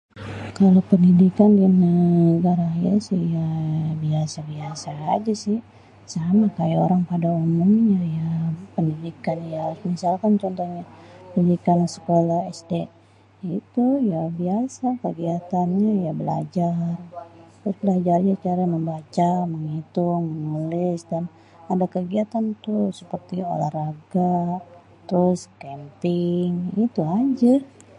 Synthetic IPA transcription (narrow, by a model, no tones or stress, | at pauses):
kalowpəndidikandinəɡaɾajasɪhjabiasabiasaːd͡ʒasɪh | samakajaoɾaŋpadaumumɲajapəndidikanjahaɾʊsmisalkant͡ʃɔnt̪oɲandidikansə̥kolahɛsde | it̪ujabiasakəɡiat̪anɲajabəla̰d͡ʒart̪ɾʊsbəlad͡ʒarɲat͡ʃaɾaməmbat͡ʃaməŋit̪ʊmənulɪsdan | adakəɡiat̪ant̪usəpərt̪io̰lahraɡa | t̪əɾʊskɛmpɪŋit̪uɦad͡ʒa